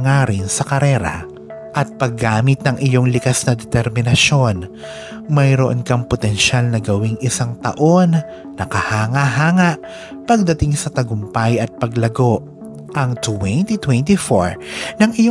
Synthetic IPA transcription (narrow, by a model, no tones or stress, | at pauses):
ŋaɾɪnsɐkɐɾɛːɾɐ̰ | ʔɐt̪̚pɐɡːaːmɪt̪̚nɐŋʔɪjo̞ŋlɪkasnɐd̪ɛt̪ɛɾmɪnɐʃo̞n | mɐjɾoʔo̰nkɐŋpot̪ɛnʃalnɐɡɐwɪŋʔɪsaŋt̪ɐ̰ʔo̞nː | ɐkɐhaːŋaɦaːŋɐʔ | pɐɡ̚d̪ɐt̪ɪŋsɐt̪ɐɡʊmpajɐt̪̚pɐɡlɐɡo̞ʔ | ʔɐŋt̪wɛnt̪it̪wɛnt̪ifo̰ɹnɐŋʔɪjo